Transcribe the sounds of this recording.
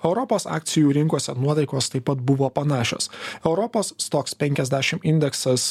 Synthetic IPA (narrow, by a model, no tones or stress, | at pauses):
ɛʊɾɔpoːsɑ̰ːk̚ʲt̪sʲɪjuːɾʲɪŋkuɔsʲɛnuɔt̪ɐɪkoːst̪ɐɪpːɐt̪bʊʋoːpɐnɑːʃʲo̰ːsɛʊɾɔpoːsːt̪ɔkspʲɛŋʲkʲɛzʲd̪ʲæːʃʲɪmɪnʲd̪ʲɛksɐs